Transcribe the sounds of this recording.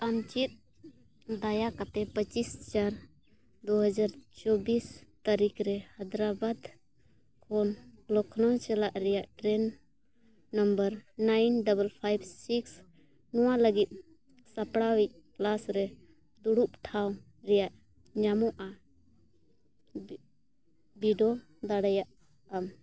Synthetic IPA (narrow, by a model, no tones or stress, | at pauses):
t̪amt͡ʃit̪̚ | d̪ajakat̪ɛpət͡ʃist͡ʃaɾ | d̪uɦəd͡ʒaɾt͡ʃɔbist̪aɾikʰɾɛhəd̪ɾabad̪ | kʰɔnlɔkʰnɔt͡ʃɛlaʔɾɛjaʔʈɾɛnː | əmbəɾnajnɖɔbəlpʰajbsiks | nɔwaləɡit̪̚ˀ | sapɽawɛc̚plasɾɛ | d̪uɽup̚ʈʰaw | ɾɛjaʔ | ɲamɔʔa | biɖɔ | d̪aɽajaʔ | am